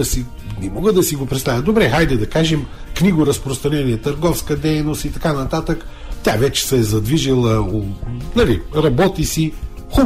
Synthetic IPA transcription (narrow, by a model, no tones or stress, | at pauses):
ɐsi | nɛmɔɡəd̪ɐsiɡopɾɛt̪st̪avʲɐd̪obɾɛxajd̪ɛd̪ɐkaʒɛm | kniɡʊɾɐspɾost̪ɾɐnɛniɛt̪ɐɾɡɔfskəd̪ɛjnost̪it̪ɐkanɐt̪at̪ək | t̪ʲavɛt͡ʃɛ̥sɛzɐd̪viʒilˠəonɐliɾɐbɔt̪isixɔ